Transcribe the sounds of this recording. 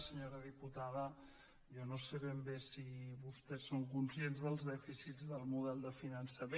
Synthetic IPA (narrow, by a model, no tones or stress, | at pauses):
səɲoɾəðiput̪aðə | jɔnoseβembesiβust̪ɛsːoŋkunsienzðəlˠzðɛfisizðəlˠmuðɛlˠd̪əfinənsəme